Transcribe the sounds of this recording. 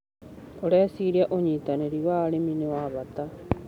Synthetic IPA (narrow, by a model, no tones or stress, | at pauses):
oɾɛsiɾiaʔoɲiːtaneɾiwaːɾeminewaβat̪a